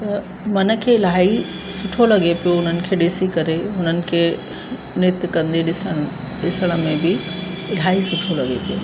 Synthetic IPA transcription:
t̪ɐ | mɐnə̆kʰeːɪlaːɦi | sʊʈʰolɐɡepijoʊn̤ənɪ̆kʰeːɗɪsikɐɾeʊn̤ənɪ̆kʰeː | nɪt̪kɐ̃nd̪eɗɪsəɽ | ɗɪsəɽ̃ə̆mẽbɪ | ɪl̤aːɦisʊʈʰolɐɡepijoː

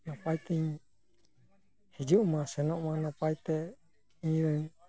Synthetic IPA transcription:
napait̪ɛɲ | hid͡ʒumasɛnɔʔmanapait̪ɛ | ĩɾɛŋ

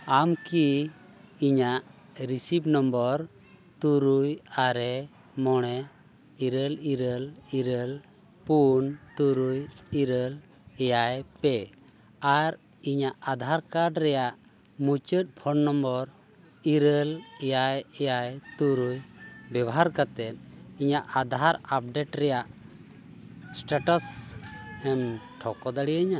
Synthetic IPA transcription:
amki | iɲaʔ | ɾisipnɔmbɔɾ | t̪uɾujaɾɛ | mɔɽ̃ɛ | iɾəliɾəliɾəl | punt̪uɾujiɾəl | ɛjajpɛ | aɾ | iɲaʔad̪ʱaɾkaɾɖɾɛjaʔ | mut͡ʃət̪̚ˀbʰɔnnɔmbɔɾ | iɾəlɛjajɛjajt̪uɾujbɛbɔɦaɾkat̪ɛt̪̚iɲaʔad̪ʱaɾap̚ɖeʈɾɛjaʔ | sʈaʈɔs | ɛm | ʈʰɔkɔd̪aɽijɲa

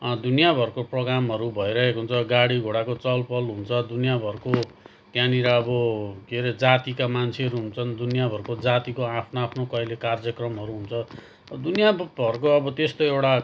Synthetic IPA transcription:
d̪unijabʱʌrkoproɡɾamɦʌɾubʱʌjɾʌɦekoɦunt͡sʰʌɡaɽiɡʱoɽakot͡sʌlpʌlɦunt͡sʰʌd̪unijabʱʌrko | t̪janiɾʌːbʌkeɾed͡zat̪ikamant͡sʰeʌɾuɦunt͡sʰʌnd̪unijabʱʌɾkod͡zat̪ikoapʰnoapʰnokʌilekard͡zjʌkrʌmɦʌɾuɦunt͡sʰʌ | ʌd̪unijabʱʌrkoʌbʌt̪est̪oewʈa

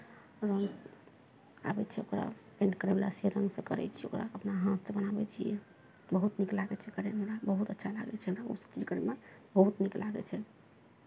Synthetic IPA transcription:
ɾəŋɡ | a̰bɛt͡ʃʰɛokɾa̰pẽɳʈkəɾɛbela̰seɾə̃ŋɡsə̃kəɾɛ̰t͡ʃʰɛokɾa̰əpnaɦãt̪sə̃bənabɛt͡ʃʰijɛ̰ | t̪bəɦut̪niklaɡɛt͡ʃʰɛkəɾeɦəmɾabəɦut̪ətːʃʰala̰ɡɛ̰t͡ʃʰɛəmabsə̥̃t͡ʃid͡ʒkəɾɛmebəɦut̪niklaɡɛ̰t͡ʃʰɛ

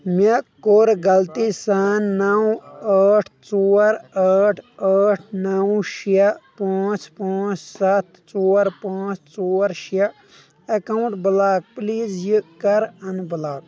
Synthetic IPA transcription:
mɐkːoɾɡɐlt̪isaːnːawəːʈʰt͡soːɾaːʈʰaːʈʰnawʃiɐpãːt͡ʃpãːt͡ʃsɐt̪̚ʰ | t͡soːɾpãːt͡ʃt͡soːɾʃiɐ | ɐkawɳʈbɨlaːk̚pliːzjɨkɐɾɐnbəlaːk

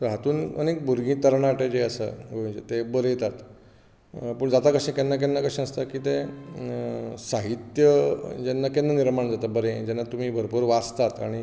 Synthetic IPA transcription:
t̪əɾɦat̪uːnə̰nek̚bʱuɾɡʱĩt̪əɾɳaʈed͡ʑeəsə̰ɡəũt͡ɕḛt̪ebəɾet̪at̪ | pəːɳd͡zat̪akəɕẽkenːak̬enːakəɕẽnəst̪akiːt̪e | saɦit̪jəd͡ʑɛnːakenːaniɾmaɳd͡zat̪abəɾẽd͡ʑɛnːat̪um̤iːbʱəɾpuːɾʋad͡zt̪at̪a̰ɽ̃i

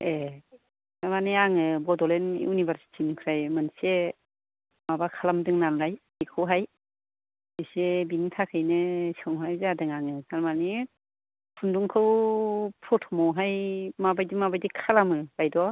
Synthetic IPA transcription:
e | kaɾmaniaŋɯbɔdɔlenḭunibaɾsi̥tʰinukʰɾajmɯnse | mabakʰalamdɯŋnamɾajbikʰɯwɦaj | bisebintʰakʰɯjnɯsɯŋajzadɯŋaŋɯkʰaɾmani | pʰunduŋkʰɯwpʰɾɔtʰɔmɔwɦajmabajdimabajdikʰalamɯbajdɔ

